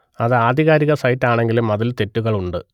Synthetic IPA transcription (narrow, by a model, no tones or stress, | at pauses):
ɐðɨaːd̪ʱiɣaːɾiɣɐsɐjtːaːɳe̞ŋɡilumɐðɐlt̪e̞tːuɣɐɭuɳɖɨ̰